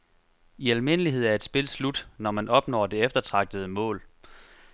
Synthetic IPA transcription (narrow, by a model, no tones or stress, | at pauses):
iælme̝nəliɦe̝ð̞̰ˠæɐe̝d̥sb̥e̝lslud̥nɒmænʔɒ̽b̥nɒ̰ːd̥e̝efd̥ɐt͡sʰʁɑ̈ɡ̥̚d̥əð̞̩ˠəmɔ̰̽ːl